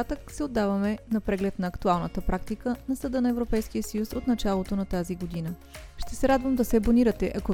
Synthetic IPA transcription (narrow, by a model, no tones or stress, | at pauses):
at̪əksɛod̪ːavəmɛnɐpɾɛɡlɛt̪nɐɐkt̪ualˠnət̪əpɾakt̪ikənɐsɐd̪ɤnɐɛvɾopɛjskiəsəjusot̪nɐt͡ʃalˠot̪onɐt̪aziɡod̪inə | ʃt̪ɛsɛɾad̪vəmd̪ɐsɛboniɾət̪ɛʔɐko